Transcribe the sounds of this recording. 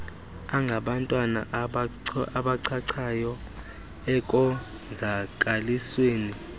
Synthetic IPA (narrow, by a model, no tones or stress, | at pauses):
aŋɡʱaɓantʼwana̰ | aɓaǀʰaǀʰajɔ | ɛkʼɔ | zʱakʼalisweːni